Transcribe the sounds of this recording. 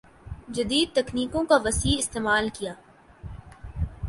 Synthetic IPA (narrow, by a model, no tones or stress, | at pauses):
d͡ʒɐd̪iːd̪̚t̪ɐkniːkõkaʋɐsiːɪst̪eːmaːlkijaː